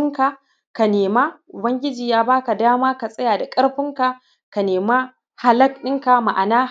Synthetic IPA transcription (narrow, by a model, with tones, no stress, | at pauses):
ŋka˨ | ka˨neː˨ma˦ʔʊ˨bɐ˦ŋɡʲɪ˦d͡ʒiː˨jaː˦baː˦ka˨daː˦maː˦ka˨sʼɐ˦jaː˨da˨kʼɐ˦ɽɸɪ˦ŋka˨ | ka˨neː˨ma˦ | ha˨lɐ˦kɗɪ˦ŋka˨ma˨ʔa˨naː˦